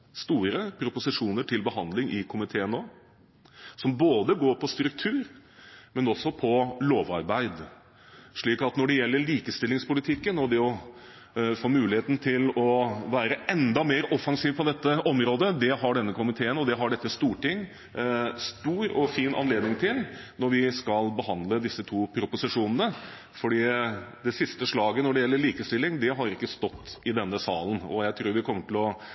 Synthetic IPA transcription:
st̪uːɾəpʰɾʊpʊsɪʂuːnəʈʰɪlbəɦɑnd̪lɪŋɪkʰʊmɪt̪ʰeːənoː | sɔmboːd̪əɡoːɾpʰɔst̪ɾʉkt̪ʰʉːɾ | mɛnɔsːɔpʰɔloːʋɑ̰ɾbæɪd̪ | ʂɭiːkɑt̪nɔɖɛjɛlːəɭiːkəst̪ɪlːɪŋspʊlɪt̪ʰɪkːənɔd̪ɛɔ | foːmʉːlɪheːt̪n̩t̪ʰɪlɔʋæːɾəɛnd̪ɑmeːɾɔfːɑŋsiːʋpʰɔd̪ɛt̪ːəʔɔmɾoːd̪əd̪ɛɦɑɖɛnːəkʰʊmɪt̪ʰeːənɔd̪ɛɦɑɖɛt̪ːəst̪uːʈɪŋː | st̪uːɾɔfiːnʔɑ̰nleːd̪nɪŋt̪ʰɪlnɔɾʋɪskɑlbəhɑnd̪ləd̪ɪsːət̪ʰuːpʰɾʊpʊsɪʂuːnənə | fɔɖiːd̪ɛsɪst̪əʂɭɑːɡənɔɖɛjɛlːəɭiːkəst̪ɪlːɪŋd̪ɛɦɑɾɪkːəst̪ɔt̪ːɪd̪ɛnːəsɑːlənɔ̰jæɪt̪ʰɾuːɾʋɪkʰɔmːəʈɪlɔ

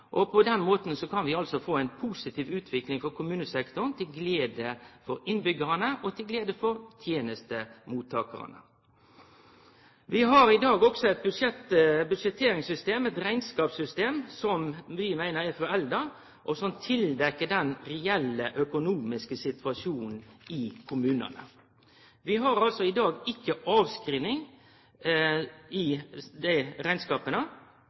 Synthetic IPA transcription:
ʔɔpʰɔd̪ɛnmoːt̪n̩sɔkɑnʋɪɑlsɔfoːæɪnpʰuːsɪt̪ʰiːʋʉːt̪ʰʋɪklɪŋfɔʁkʰʊmʉːnəsɛkt̪ʊənt̪ʰɪlɡleːd̪əfɔɾɪnbʏɡəʁənəʔɔt̪ʰɪlɡleːd̪əfɔɾt̪ʰjeːnəst̪əmuːt̪ʰːɑːkə̰ʁə̰nə̰ | ʋɪɦɑɾɪd̪ɑːɡɔksɔɛt̪̚bʉʂɛt̪bʉd̪ʂɛt̪ʰeːɾɪŋsʏst̪eːmɛt̪ɾæɪnskɑːpsʏst̪eːmsɔmʋɪmæɪnəɾæɾfɔɾɛld̪ə | ʔɔsɔmt̪ʰɪld̪ɛkːəɖɛnɾɛɛlːəʔœkʊnuːmɪskəsɪt̪ʰʋɑʂuːnn̩ɪkʰʊmʉːnə̰nə̰ | ʋɪɦɑɾɑlsɔɪd̪ɑːɡɪkːəʔɑːʋskɾiːnɪŋ | ɪd̪æɪɾæɪnskɑːpənə

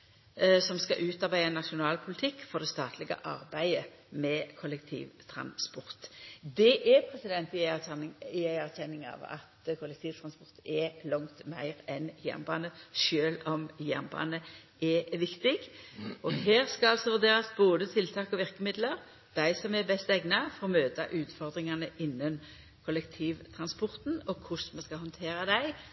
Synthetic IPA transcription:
sɔmskɑ̰ʔʉːt̪ɑʁbæɪɑnɑʃʊnɑːlpʰʊlɪt̪ʰɪkːfɔʁd̪ɛst̪ɑːt̪ʰlɪɡə̰ʔɑʁbæɪəmɛkʰʊlɛkt̪ʰḭːʋt̪ʰɾɑ̰nspɔʁt̪d̪ɛʔɛpʰɾɛsɪd̪ɛnt̪ɪ | ɪæɪæʁçɛnːɪŋɑ̰ːʋɑ̰t̪kʰʊlɛk̚t̪ʰiːʋt̪ʰɾɑnspɔʁt̪ɛlɔŋt̪mæɪʁɛnjæ̰ʁnbɑːnəʃøːlɔmjæ̰ʁnbɑ̰ːnə | ɛʋɪkt̪ɪɡɔɦeːɾskɑɑlsɔʋʉʁd̪eːɾɑsboːd̪ət̪ʰɪlt̪ʰɑːkɔʋɪʁkəmɪd̪ləɾ | d̪̥æɪsɔmɛbɛst̪ɛɡnɑfɔʁmøːt̪ɑ̰ʔʉːt̪fɔʁd̪ʁɪŋɑnəʔɪnːən | kʰɔlɛkt̪ʰiːʋt̪ʰɾɑnspɔɾt̪nɔkʰʊsmɛskɑlhɔnt̪ʰeːɾɑd̪æɪ

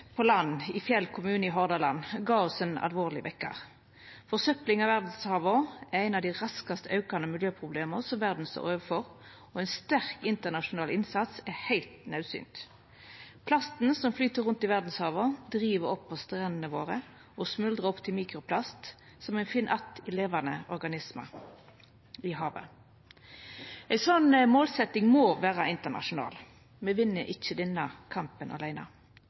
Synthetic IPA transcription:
pʰɔlɑnːɪfjɛlkʰʊmʉːnəɪɦɔʁd̪ɑlɑnɡɑːɔsɛnɑ̰lʋoːʁlɪ̰ʋʔɛkːə̰ | fɔʁsœplɪŋɑʋæʁd̪n̩shɑːʋəɛʁæɪnɑʋd̪ɪʁɑskɑst̪əʔɑʉkɑnəmɪljøːpʰʁʊbleːməsɔmʋæʁd̪n̩st̪o̰ːʁøːʋəfɔʁ | ɔɛɪnst̪æʁkɪnt̪əʁnɑʃʊnɑːlɪnsɑt̪sæhæɪlt̪nɑʉsy̰ːnt̪ | pʰlɑst̪n̩sɔmflyːt̪əʁʊnt̪ɪʋæʁd̪n̩shɑːʋəʁd̪ʁiːʋəʁɔpːɔst̪ʁɛnənəʋoːʁə | ɔsmʉld̪ʁɑɔpt̪ʰɪlmiːkʁʊpʰlɑst̪ | sɔmæɪnfiːnʔɑt̪ɪleːʋɑnəʔɔɾɡɑnɪsmɑ̰ | ɪɦɑːʋə̰ | æɪsɔnmoːlsɛt̪ɪŋmoːʋæːʁɑɪnt̪ənɑ̰ʃʊnɑ̰ːl | mɛʋɪnːəʔɪçːəd̪ɛnːɑkʰɑmpənʔɑ̰læɪnɑ̰

